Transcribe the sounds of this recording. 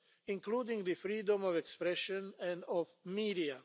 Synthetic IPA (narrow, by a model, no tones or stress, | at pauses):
ĩŋkluːd̪ɪ̃ŋɡd̪ɨfɾiːd̪ɔ̃mɔvɛkspɾɛʃɔ̃nɛ̃nd̪ɔvmiːd̪ia